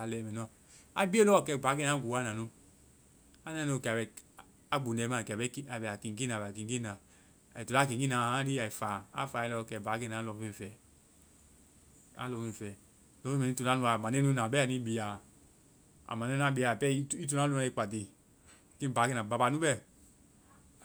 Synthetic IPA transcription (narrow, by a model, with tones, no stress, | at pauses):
a˨lɛ˨mɛ˨nu˦a˨ | a˦bi˦e˦lɔ˦˨kɛ˧˨ba˨˦ɡe˦na˨˦ɡu˨˦a˦na˨nu˦ | a˦na˨no˨˦˨kɛ˨a˨bɛ˨ | a˦ɡ͡bu˨nɛ˨˦ma˨kbɛ˦ka˨bɛ˨a˨ki˨ɡi˦na˨bki˨ŋ˦ɡi˦na˨ | tu˨la˦ki˨˦i˦na˨a˦ɾi˦a˨i˨fa˨a̰˦fa˨ɛ˨lɔ˦˨kɛ˨ba˨˦ɡɛ˦na˨˦lɔ˨˦i˦˨fɛ˨ | a̰˦lɔ˧˨fi˧˨fɛ˨ | lɔ˨˦i˦mɛ˨i˦tu˨na˦nu˧˦a˨ma˨ne˦nu˦na˨bɛ˦a˨ni˦bi˨a˨ | a̰˨ma˨e˦n˦a˦bi˨a˨pɛ˦i˦tu˦na˦lu˦na˧˦i˦˨k͡pa˨di˨ | ki˦˨ba˨˦ɡe˦na˨ba˨ba˨nu˦bɛ˦